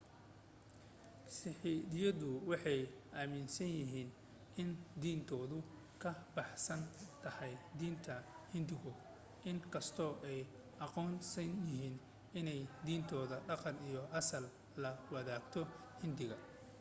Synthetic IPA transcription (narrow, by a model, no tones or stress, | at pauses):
sɪħiːdɪjɐðʊwɑħɑjʔaːmɪnsɐnjɪɦiːn | ʔɪnd̪iːnt̪ʰɔːðʊ | kʰɐbɑħsɐnt̪ʰɐhɑjd̪iːnt̪ʰɐ | hɪnd̪ɪɣʊ | ʔɪŋkʰɐst̪ʰɔːʔɛj | ʔɑqɔːnsɐnjɪɦiːn | ɪnɛjd̪iːnt̪ʰɔːðɐɖɑqɑnijɔʔɑsɐlː | ɐwɐðaːɡt̪ʰɔhɪnd̪ɪɣɐ